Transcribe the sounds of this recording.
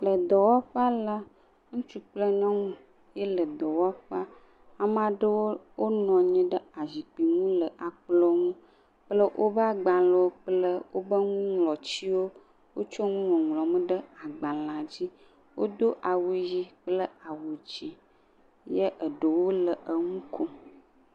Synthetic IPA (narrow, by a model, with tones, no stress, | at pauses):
lə˨d̪ɔ˨wa˦ɸa˦la˦ | ŋũ˦t͡ʃu˦k͡plə˦ɲɔ̃˦ŋũ˦ | je˦lə˨d̪ɔ˨wa˦ɸa˦ | a˨m˦ã˨ɖə˦wo˦wo˦nɔ̃˨ɲɛ̃˦ɖə˦a˨zi˨k͡pi˨ŋũ˦lə˨ʔa˨k͡plɔ˦ŋũ˦ | k͡plə˦ʔo˦bə˦a˨ɡ͡ba˨lə˨wo˦k͡plə˦wʔo˦bə˦ŋũ˦ŋlɔ˨t͡ɕi˦wo˦ | wo˦t͡ʃɔ˦ŋũ˦wɔ̃˨ŋlɔ˨mə̃˦ɖə˦a˨ɡ͡ba˨lã˨d͡ʑi˦ | wo̰˦d̪o˦ʔa˨wu˨ji˨k͡plə˦a˨wu˨d͡ʑi˨ | jə˦ʔə˨ɖə˨wo˦lə˨ʔə˨ŋũ˦kʰo˦